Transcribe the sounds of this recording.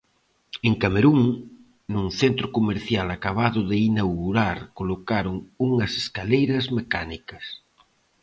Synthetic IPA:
eŋkameɾuŋ | nuŋθent̪ɾʊkomeɾθjalakaβ̞aðʊðeinawɣuɾaɾkolokaɾoŋuŋɐse̥skalejɾɐzmekanikɐs

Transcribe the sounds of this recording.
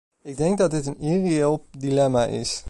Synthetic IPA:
ɪɡ̚dɛŋk̚dɑdɪtənirielˠdilɛmaʔɪ̰s

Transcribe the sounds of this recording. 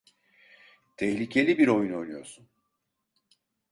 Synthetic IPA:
t̪ʰɛçlʲicʰe̞lʲibiɾo̞juno̞jnujo̞̰ɾsun

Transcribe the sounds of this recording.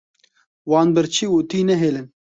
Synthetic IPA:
wɑːnbɨɾt͡ʃʰiːut̪iːnɛɦeːlɨn

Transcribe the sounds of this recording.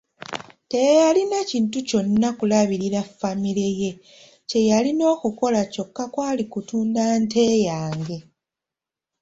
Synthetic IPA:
te̞jalinaciːntuco̞nːakulaβiɾiɾafːamile̞je̞ | ce̞jalino̞ːkuko̞laco̞kːakwaːlikutuːndante̞ːjaːŋɡe̞

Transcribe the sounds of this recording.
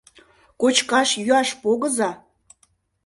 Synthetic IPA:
kot͡ɕkɑʃjyɑʃpoɣə̆zɑ

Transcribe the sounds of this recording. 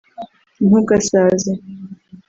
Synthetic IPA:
nuɡasaːza

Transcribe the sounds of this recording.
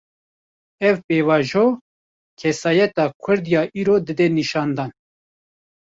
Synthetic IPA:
ɛvpeːvɑːʒoː | kʰɛsɑːjɛt̪ɑːkʰʊɾd̪jɑːʔiːɾoːd̪ɨd̪ɛniʃɑːnd̪ɑːn

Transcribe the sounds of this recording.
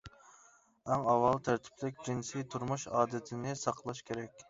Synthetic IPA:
æŋɑwɑlˠt̪ʰæɾt̪ʰɪ̥plɪk̚ʲd͡ʒinsijt̪ʰuɾmuʃɑːd̪ɪt̪ʰɪnɪsɑqʰlˠɑʃkʲʰeɾɛkʲ

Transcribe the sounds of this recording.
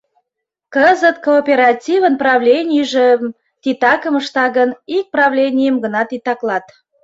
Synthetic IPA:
kəzət̪koːpʲeɾɑtʲivənprɑvlʲenʲijəʒĕm | t̪ʲit̪ɑkəməʃt̪ɑɣənik̚prɑvlʲenʲijəmɡənɑt̪it̪ɑklɑt̪

